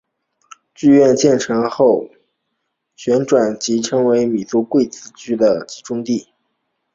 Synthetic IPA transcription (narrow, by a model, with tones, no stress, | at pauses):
t͡ɕy˥˧ɥɛ˥˧nt͡ɕjɛ˥˩nʈ͡ʂʰɤ˧˥ŋxo˥˩ʊ | ɕɥɛ˧˥nʈ͡ʂwa˨˩nt͡ɕi˧˥ʈ͡ʂʰɤ˥ŋwe˧˥ɪmi˨˩t͡su˧˥kwe˥˩ɪt͡sɹ̩˧˥˩t͡ɕʰy˥d̪ə˨t͡ɕi˧˥ʈ͡ʂʊ˥ŋt̪i˥˩